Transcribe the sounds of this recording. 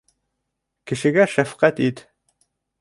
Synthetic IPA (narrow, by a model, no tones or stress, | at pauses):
kɘ̆ʃɘ̆ɡæʃæfqæt̪it̪